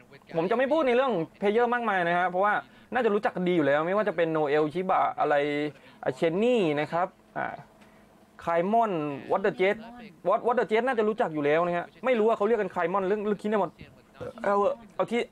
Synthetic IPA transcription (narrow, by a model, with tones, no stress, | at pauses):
pʰo˩˦mt͡ɕa˨˩ʔma˥˩pʰuː˥˩t̪̚na˧jɾɯ˥˩əŋpʰeː˧jɤː˧˥˩maː˥˩k̚maː˧jna˦˥kʰa˦˥pʰɔ˦˥waː˥˩ | naː˥˩t͡ɕa˨˩ɾuː˦˥t͡ɕa˨˩kːa˧ndiː˧juː˨˩lɛː˦˥wma˥˩jwaː˥˩t͡ɕa˨˩pe˧nːoː˧ʔe˧wt͡ɕʰiː˦˥ba̰ː˨˩ʔa˧ɾa˧jʔa̰ː˨˩t͡ɕʰe˧˥nːiː˥˩na˦˥kʰa˦˥p̚ʔa̰ː˧˩ | kʰaː˧jmɔ˥˩nwɔ˧˦˥t̪̚dɤː˧˩t͡ɕe˦˥t̪̚wɔ˧˦˥t̪̚wɔː˧˦˥dɤː˨˧˩t͡ɕeː˦˥t̪̚naː˥˩t͡ɕa˨˩ɾuː˦˥t͡ɕa˨˩k̚juː˨˩lɛː˦˥wna˦˥kʰa˦˥ʔma˥˩jɾuː˦˥waː˧˩ka˦˥wləka˧kʰaː˧jmɔ˧˥˩nlɯ˥˩əŋlɯ˥˩˨k̪ʰnː˥˩bɔː˧˩t̪̚ː | ʔa˧˩˧ʔa˧wt̪ʰiː˥˩